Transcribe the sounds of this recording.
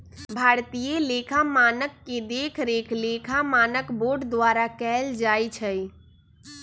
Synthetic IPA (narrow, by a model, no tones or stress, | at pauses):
bʱaɾt̪ijelekʰamanəkːed̪ekʰɾekʰlekʰamanəkboɖd̪waɾakɛld͡ʒajt͡ʃʰə